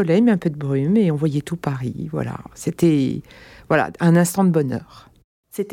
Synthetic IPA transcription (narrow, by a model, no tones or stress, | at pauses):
ɔlɛjmeɛ̃pød̪əbʁymeɔ̃vwajɛt̪upaʁivwa̰la̰set̪ɛ | vwala̰ɛ̃nɛ̃st̪ɑ̃d̪əbɔnœ̰ːʁ | set̪